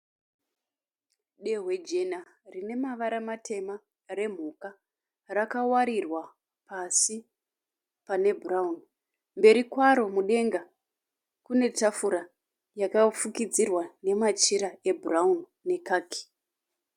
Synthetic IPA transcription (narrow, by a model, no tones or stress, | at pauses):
ɗe̞ɦwe̞d͡ʒe̞na | rine̞maʋaɾamatʰe̞ma | re̞m̤uka | rakawaɾirwa | pasi | pane̞bʱuraun | mbe̞ɾikwaɾo̞muɗe̞ŋɡa | kune̞tafuɾa | jakafukid͡zirwane̞mat͡ʃiɾae̞bʱuraunːe̞kaːki̥